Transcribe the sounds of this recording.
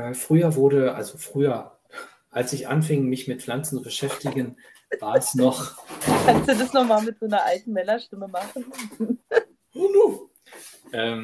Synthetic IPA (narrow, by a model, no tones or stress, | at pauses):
ʔɛːfʁ̥yːɐvʊɐɾəʔa̰lzofʁ̥yːɐ | ʔalsɪçʔa̰nfɪŋmɪçmɪtflant͡sn̩t͡subəʃɛftɪɡən | vaːɐɛsnɔχkʰanstd̥uːdasnɔχmaːlmɪt̚z̥aɪnɐʔaltn̩mɛlɐʃtɪməmaχn̩ | onu | ʔɛːm